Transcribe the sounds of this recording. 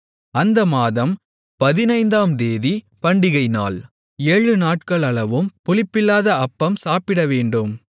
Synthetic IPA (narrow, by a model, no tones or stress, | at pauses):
ɐnd̪ɐmaːðɐm | pɐðɪnɐɪnd̪aːmd̪eːði | pɐɳɖɪɣɐɪna̰ːl | eːɻɯnaːʈ̚kɐɭɐɭɐʋɯmpʊlɪpːɪlːaːðɐɐpːɐmsaːpɪɽɐʋeːɳɖɯm